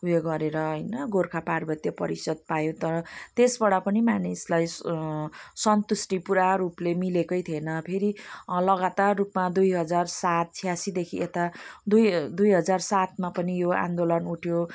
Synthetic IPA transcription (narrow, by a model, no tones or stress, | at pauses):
ujeɡʌɾeɾʌɦʌjnʌɡorkʰaparbʌt̪jʌpʌ̰ɾisʌd̪̚pajot̪ʌɾʌt̪esbʌɽʌpʌnimanislaj | sʌnt̪usʈipuɾaɾuplemilekʌjt̪ʰienʌpʰeɾilʌɡat̪arːupmad̪ujɦʌd͡zarsat̪̚t͡sʰijasid̪ekʰiet̪ad̪ujd̪ujɦʌd͡zarsat̪mapʌnijoã̰nd̪olʌnuʈʰjo